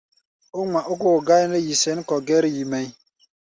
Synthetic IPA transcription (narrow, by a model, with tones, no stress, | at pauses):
o˦ŋʷa˨ʔo˦ɡo˦˨ɡa˦jnə˦ji˨sɛ˨˦n˦kɔ˨ɡɛ˦ɾji˨mɛ˨j